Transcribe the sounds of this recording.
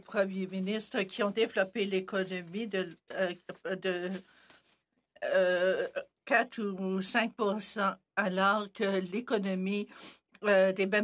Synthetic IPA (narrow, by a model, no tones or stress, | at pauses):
pχəmjeminist̪χəkʲiɔ̃d̪evlɔpelekɔnɔmid̪ə | d̪ə | kʲat̪usɛ̃k̚puʁsɑ̃ | alɔːʁkʲəlekɔnɔmi | d̪ebɛ